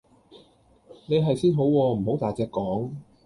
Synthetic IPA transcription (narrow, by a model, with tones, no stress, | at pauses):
ne˨˧jɦɐ˨jsiː˥nɦo˨˥wwɔː˧m̩˨˩ho˨˥wt̪aː˨jt͡sɛː˧kːɔː˨˥ŋ